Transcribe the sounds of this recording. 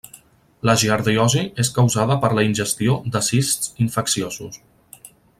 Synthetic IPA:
ləʒiaɾðiɔzieskəwzaðəpəɾləinʲʒəst̪iod̪əsissiɱfəksiozus

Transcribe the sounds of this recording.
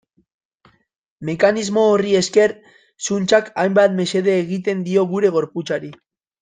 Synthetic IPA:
me̞kanizmo̞ːrie̞ske̞ɾ | sunt͡ʃakajmbat̪me̞se̞ð̞eːɣit̪e̞nd̪io̞ɣuɾe̞ɣ̞o̞ɾput͡saɾi

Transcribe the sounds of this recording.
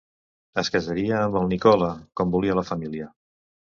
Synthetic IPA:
əskəzəɾiəːmbəlˠnikɔləkɔmbuliələfəmiliə

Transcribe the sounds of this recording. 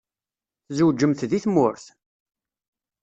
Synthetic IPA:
θzəwd͡ʒəmθðiθmʊɾθ

